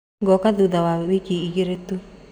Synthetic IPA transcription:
ɡɔkaðuðawawikiːɡiɾetu

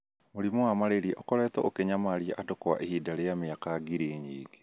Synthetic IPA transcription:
moɾimɔwamaɾeɾiʔɔkɔɾɛːtɔ̰ʔokɛɲamaɾiaʔadɔkɔwa̰ʔehiːdaɾeameakaɡiɾeːɲiːɡe̥

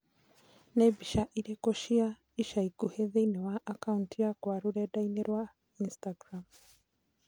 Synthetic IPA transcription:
nɛbiʃaʔiɾekoʃia | iʃaikuheðeinɛwaʔakauntijakwaɾuɾɛdainɛɾwa | instaɡɾam

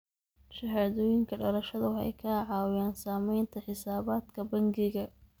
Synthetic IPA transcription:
ʃɐɦaːðɔːjɪŋkʰɐɖɔlɐʃɐðʊħɛ̰jkʰaːʕɑːwjaːnsaːmɛjnt̪ʰɐħɪsaːβaːd̪kʰɐbɐŋɡɪɣɐ

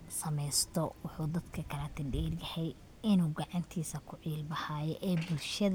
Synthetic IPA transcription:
sɐmɛjst̪ʰɔwʊħuːd̪ɐd̪kʰɐkʰɐlɐt̪ʰɪɖɛːrjɐhɛj | ɪnuːɡɑʕɑnt̪ʰiːsɐkʰʊʕiːlbɐhaːjɔʔɛːbʊlʃɐð

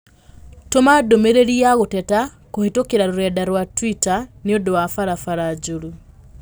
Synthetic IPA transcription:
tomadomeɾeɾiaɣotɛta | kohetokeɾaɾoɾɛdaɾwatwitaneodowafaɾafaɾad͡ʒuɾu

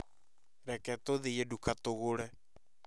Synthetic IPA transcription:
ɾɛkɛtoðejedukatoɣoɾɛ

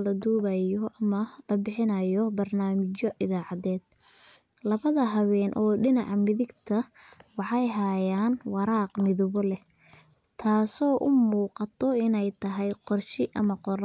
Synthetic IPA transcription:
lɐd̪uːβɐjɔʔɐmɐlɐbɪħɪnɐjɔbɐrnaːmɪt͡ʃɔʔɪðaːʕɑðɛːd̪̥̚ | lɐβɐðɐɦɐwɛːnʔɔːɖɪnɑʕmɪðɪɡt̪ʰɐ | wɑħɑjɦajaːnwɑɾɑːqmɪðɔβɔlɛ | t̪ʰaːsɔːʔʊmuːqɑt̪ʰɔɪnɛjt̪ʰɐɦɛjqɔrʃɪʔɐmɐqɔɾ

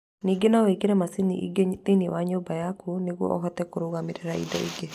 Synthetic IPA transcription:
niɡɪnawekɪɾɛmasinḭɡet̪iniwaɲobajakuniɡɔ̰ʔɔ̰ɦɔt̪ɛkuɾowamɪɾɛɾaḭd̪ɔ̰ḭɡe

